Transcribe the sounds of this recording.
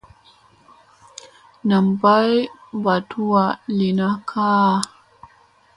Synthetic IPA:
na˨mba˦jba˨tʰu˦wa˨li˨na˦kʰaː˦˨

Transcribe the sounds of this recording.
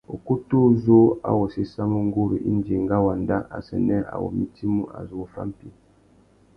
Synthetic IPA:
o̰˨ku˦tu˦zo˦a̰˦wo˨si˦sa˦mo˦ŋ˦ɡu˦ɾḭ˨ʔi˦n˦d͡ʒe˨ŋɡa˦wa˨nda˦ʔa̰˨sɛ˨nɛ˦ʔa̰˨wo̰˨mi˨ti˦mu˦ʔa̰˨zo˦o˨fa̰˦m̩˨pi˦

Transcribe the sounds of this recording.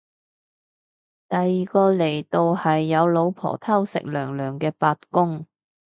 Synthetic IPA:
t̪ɐ˨jːiː˨kɔː˧le˨˩jt̪o˧whɐ˨jːɐ˨˧wlo˨˧wpʰɔ̰ː˨˩t̪ʰɐ˥wsɪ̰˨k̚lœː˨˩ŋlœː˨˩ŋkɛː˧paː˧t̚kʊ˥ŋ

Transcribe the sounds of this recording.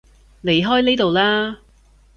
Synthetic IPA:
le˨˩jɦɔː˥jneː˥t̪o˨˧wlaː˥

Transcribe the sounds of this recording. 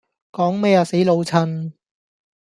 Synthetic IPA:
kɔː˨˥ŋmɛː˥jaː˧se˨˥jlo˨˧wt͡sʰɐ˧n

